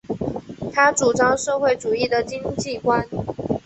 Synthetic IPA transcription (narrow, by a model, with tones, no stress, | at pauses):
t̪ʰa˥ʈ͡ʂu˨˩ʈ͡ʂɑ˥ŋʂɤ˥˧xwe˥˩ɪʈ͡ʂu˨˩i˥˩d̪ə˨˩t͡ɕi˥ŋt͡ɕi˥˩kwa˥n